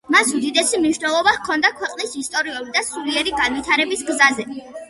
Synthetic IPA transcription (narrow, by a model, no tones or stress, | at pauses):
masud̪id̪ɛsimniʃnɛlˠɔbakʰɔnd̪akʰwɛqʼnisist̪ʼɔɾiulid̪asuɾiɛɾiɡanvwit̪ʰaɾɛbisɡzazɛ